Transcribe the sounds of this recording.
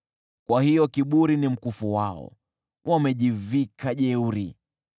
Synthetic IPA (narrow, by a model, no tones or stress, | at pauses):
kwahijɔkiɓuɾinim̩kufuwaɔ̰ | wʔamɛʄivikaʄɛuɾi